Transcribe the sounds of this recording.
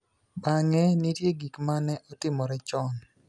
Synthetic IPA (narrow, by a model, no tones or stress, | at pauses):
baŋɛnitjeɡikmanɛʔotɪmɔɾɛt͡ʃɔn